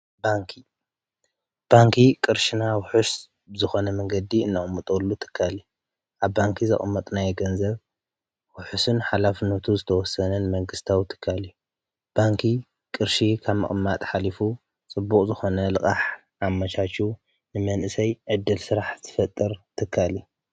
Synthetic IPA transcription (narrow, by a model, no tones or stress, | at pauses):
baŋkʰi | b̥aŋkʰikʼɨɾʃinawʊħus | bɨzɨxo̞nɐmɐŋɡɐd̪iɨnːɐkʼmːɐt̪ʼolːut̪ʰɨ̥kʰːalu | ʔaβbaŋkʰizɐ̰χʼɨmːɐt̪ʼnajɛɡɐnzɐβ | wʊħusɨnħalafɨnːɐt̪ʰuzɨt̪ʰɐwɔsːɐnɐnɨmɐŋɡɨst̪ʰawt̪ʰɨ̥kʰːalju | b̥aŋkʰi | kʼɨɾʃikʰaβmɐ̰χʼɨmːat̪ʼħalifu | t͡sʼɨbːukʼzɨxo̞nɐlɨkʼaħ | ʔamːɐt͡ʃʰat͡ʃu | nɨmɐnʔɨsɐjʕɨd̪ːɨlsɨɾaħt̪ʰɨfɐt̪ʼːɨɾt̪ʰɨkʰːali